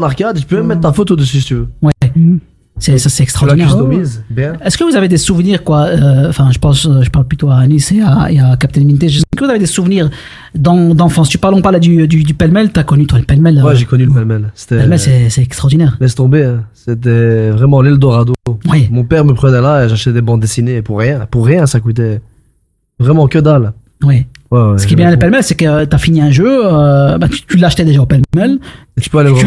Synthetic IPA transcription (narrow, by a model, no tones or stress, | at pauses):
naʁkad̪ʒəpymɛmːɛt̪t̪ːafot̪od̪əsys̬i̥t̪yvøwɛ | sɛsasɛɛkst̪χɔʁldinɛɔmizbɛ̃ɛskəvuzaved̪esuvniʁkwaøɑ̃fɛ̃ʒəpɑ̃sʒəpaʁlplyt̪oaːniseaḛakap̚t̪ɛnmint̪eʒəsɛskəvuzaved̪esuvniʁ | d̪ɑ̃d̪ɑ̃fɑ̃st̪ypaʁlɔ̃paʁlɛd̪yd̪yd̪ypɛlmɛlt̪yakɔnyt̪waləpɛlmɛlwɛʒekɔnyləpɛlmɛlse̥t̪ɛmɛlsɛsɛɛkst̪χɔʁd̪inɛːʁlɛst̪ɔ̃beɛ̃set̪ɛvʁɛmɑ̃lɛld̪ɔʁad̪owɛmɔ̃pɛʁməpχənɛlaeʒaʃt̪ɛd̪ebɑ̃d̪d̪esineːpuʁːjɛ̃puʁːjɛ̃sakut̪̬ɛ | vʁɛmɑ̃kʲød̪al | wɛwɛwɛsə̥kiɛbjɛ̃ləpɛlmɛlsɛkət̪yafiniɛ̃ʒøøbɛt̪t̪ylaʃt̪ɛd̪eʒaopɛlmɛl | et̪y̥pøalevʁ